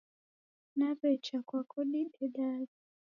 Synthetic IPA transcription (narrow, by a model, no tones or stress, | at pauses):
napɛt͡ʃakwakɔɗiɗɛɗaɾi